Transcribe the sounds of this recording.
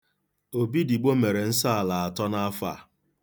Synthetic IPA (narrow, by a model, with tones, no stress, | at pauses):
o˨bi˦di˨ɡ͡bo˦me˨ɾe˨n̩˦sa˦˨la˨a˨tɔ˦na˦fa̰˦˨